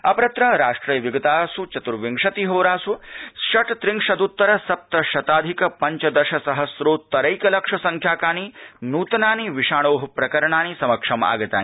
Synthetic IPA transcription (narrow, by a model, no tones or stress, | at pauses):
ɐpɐɾɐt̪ɾɐɾaːʂʈɾijɐʋiɡɐt̪aːsut͡ʃɐt̪uɾʋiŋʂɐt̪iɦoːɾaːsuʃɐʈt̪ɾiŋkʂɐd̪ut̪ːɐɾɐsɐp̚t̪ɐʃɐt̪aːd̪ʱikɐpɐɲt͡ʃɐd̪ɐʃɐsɐɦɐsɾoːt̪ɐɾɐjkɐlɐkʂɐsɐŋkʰjaːkaːninuːt̪ɐnaːniʋiʂaːɽ̃oːɦɐpɾɐkɐɾɐɳaːnisɐmɐkʂɐma̰ːɡɐt̪a̰ːni